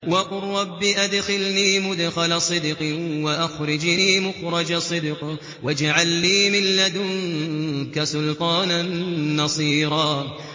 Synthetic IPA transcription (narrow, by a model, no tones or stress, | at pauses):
wɑqʊrˤːɑbːiːʔad̪xɪlniːmʊd̪xalasˤɨd̪qwaʔaxɾˤɪd͡ʒniːmʊxɾˤɑd͡ʒasˤɨd̪q | wad͡ʒaʕalːiːmɪlːad̪ʊŋkasʊlt̪ˤɑːnanːɑsˤiːɾˤɑː